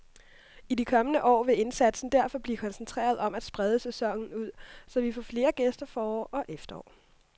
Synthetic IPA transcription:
idikʰɒ̽mənəʔɒ̰ːʋe̝e̝nsæd̥sn̩d̥æɐfɒ̽b̥likʰɒ̽nsnt͡sʰʁḛːɐð̞̩ˠɒ̽mæd̥sb̥ʁað̞ˠəsesɒ̽ŋ̰n̩uð̰ˠsɒ̽ʋifɒ̰ːfle̝ːɐɡ̥esd̥ɐfɒːɒʔɒ̽ʔefd̥ɐɒ̰ː

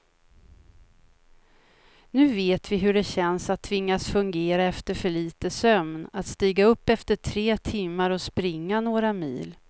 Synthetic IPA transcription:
nʉ̟ːveːt̪vɪɦɵɖɛɕɛnsat̪ʰːvɪŋːasfɵŋɡeːɾaɛft̪əɾfœɭiːt̪əsœmnat̪st̪iːɡaɵpːɛft̪əʈʰɾeːt̪ʰɪmːaɾɔspɾɪŋːanoːɾamiːl

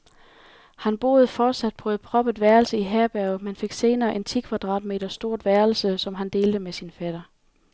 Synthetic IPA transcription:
hænb̥o̝̰ːð̞ˠfɒːd̥sæd̥̚pʰɔð̩ˠpʰʁɒ̽b̥əd̥ʋæɐl̩səiɦæɐb̥æɐʊmenfe̝ɡ̥se̝ːnɐːʔe̝nt͡sʰikʰʋæd̥ʁɑ̰̈ːd̥me̝̰ːd̥ɐsd̥o̝ɐ̰d̥ʋæɐl̩səsɒ̽mɦænd̥e̝ːld̥əmesinfæd̥ɐ

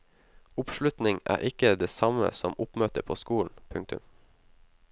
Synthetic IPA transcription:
ʊpʃlʉt̪nɪŋæ̰ːɾʔɪkəd̪eːsɑmə̰sɔmʊpmøːt̪əpʰoːskuːln̩pʰʉŋk̚t̪ʉ̰m

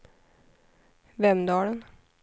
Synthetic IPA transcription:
ʋɛmd̪ɑːlən

